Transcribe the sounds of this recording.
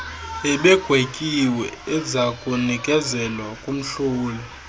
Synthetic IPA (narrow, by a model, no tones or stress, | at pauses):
ɛɓɛɡ̥ʱwekʼiwɛɛzakʼunikʼɛzɛlwakʼum̩ɬuːlɔ